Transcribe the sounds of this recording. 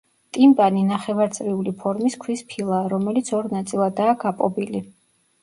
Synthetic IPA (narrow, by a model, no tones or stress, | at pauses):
t̪ʼimpʼaninaχɛvaɾt̪sʼɾiulipʰɔɾmiskʰwispʰilˠaːɾɔmɛlit̪sʰɔɾnat̪sʼilˠad̪aːɡapʼɔ̰bili